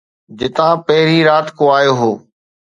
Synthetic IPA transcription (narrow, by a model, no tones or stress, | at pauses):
d͡ʑɪt̪ãːpɐɦɪɾiɾaːt̪koaːjoːɦoː